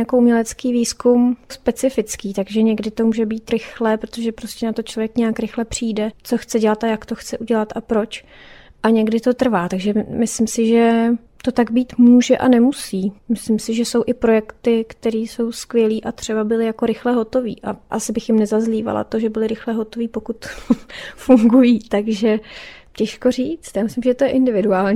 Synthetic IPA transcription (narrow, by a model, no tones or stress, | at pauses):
akoumɲɛlɛt͡skiːviːskumspɛt͡sɪfɪt͡skiːt̪aɡʒɛɲɛɡdɪt̪o̞muːʒɛbiːt̪ɾɪxlɛːpɾot̪oʒɛpɾo̞scɛnat̪ot͡ʃlovjɛkɲɛakɾɪxlɛpr̝̥iːdɛt͡so̞xt͡sɛɟɛlat̪ajakt̪o̞xt͡sɛʔuɟɛlat̪ʔapɾo̞t͡ʃ | ʔaɲɛɡdɪt̪o̞t̪r̩vaːt̪aɡʒɛmɪsɪmsɪʒɛ | t̪o̞t̪aɡbiːt̪muːʒɛʔa̰nɛmusiːmɪslɪmsɪʒɛsowʔɪpɾo̞jɛkt̪ɪkt̪ɛɾiːso̞wskvjɛliːʔat̪r̝̥ɛbabɪlɪjakoɾɪxlɛɦo̞t̪o̞vḭːʔaʔasɪbɪxjɪmnɛzazliːva̰la̰t̪o̞ʒɛbɪlɪɾɪxlɛɦo̞t̪o̞viːpo̞kut̪ | fuŋɡujiːt̪aɡʒɛcɛʃko̞riːt͡st̪jaːmɪslɪmʒɛt̪o̞jɛʔɪndɪvɪduaːlɲː